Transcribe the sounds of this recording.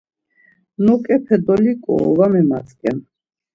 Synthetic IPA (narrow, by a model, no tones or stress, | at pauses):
nɔkʼɛpʰɛd̪ɔlikʼɔ̰ːvamɛmat͡sʼkʼɛn